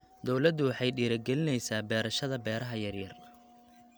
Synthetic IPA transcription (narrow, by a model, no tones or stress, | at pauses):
d̪ɔwlɐd̪ʊwɑħɑjɖiːɾɐɡɛlɪnɛjsaːbɛːɾɐʃɐðɐbɛːɾɐɦɐjɐrjɐr